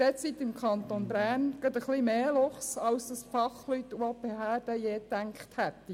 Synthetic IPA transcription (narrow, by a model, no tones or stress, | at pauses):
d̥ɛsit̪ɪmkʰɑnt̪onbɾæːnɡ̥ɑd̪əχlimeːlɔχsɑlsd̪ɑsfɑχlyt̪ɑpehæːdəjeːt̪ːæŋkχt̪hɛt̪ːi